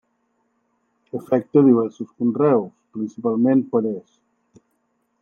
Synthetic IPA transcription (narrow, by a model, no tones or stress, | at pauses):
əfɛk̚t̪əðiβ̞ɛɾsuskunrɛwspɾinsipalˠmenpəɾes